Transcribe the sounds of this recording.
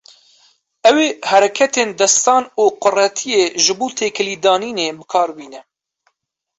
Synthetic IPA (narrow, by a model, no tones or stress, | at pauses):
ɛweːhɛɾɛkʰɛt̪eːnd̪ɛst̪ɑːnuːqʊrɛt̪ʰijeːʒɨbuːt̪ʰeːkʰɨliːd̪ɑːniːneːbɨkʰɑːɾbiːnɛ